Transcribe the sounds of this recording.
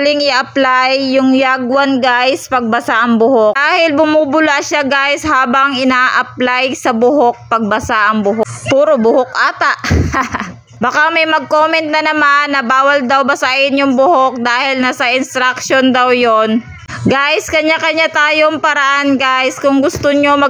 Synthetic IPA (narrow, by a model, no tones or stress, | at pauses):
lɪŋɪʔɐplajːʊŋjaɡwɐnɡajspɐɡ̚bɐsaʔɐŋbʊhodaːhɪlbʊmuːbʊlaʔʃaɡajshaːbɐŋɪnaːʔɐp̚lajsɐbʊɦok̚pɐɡ̚bɐsaʔɐŋbʊɦopuːɾobʊhok̚ʔaːt̪ɐʔ | bɐkamɐjmɐɡ̚koːmɛnt̪̚nɐnɐmanːɐbaːwɐld̪awbɐsaʔɪnjʊŋbʊhok̚d̪aːhɪlnɐsɐʔɪnst̪ɾɐk̚ʃond̪awjon | ɡaːʔɪskɐɲakɐɲat̪aːjoŋpɐɾaʔanɡaʔskʊŋɡʊst̪oɲomɐ